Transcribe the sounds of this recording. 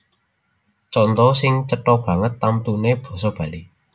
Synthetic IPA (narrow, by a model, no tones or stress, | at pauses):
t͡ʃɔnt̪ɔsɪŋt͡ʃəʈɔb̥ä̤ŋət̪ːamt̪uneb̥ɔ̤sɔb̥ä̤li